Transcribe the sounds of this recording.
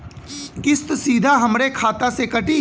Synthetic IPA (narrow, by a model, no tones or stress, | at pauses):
kɪst̪siːd̪ʱaɦɐmɾekʰaːt̪asekɐʈi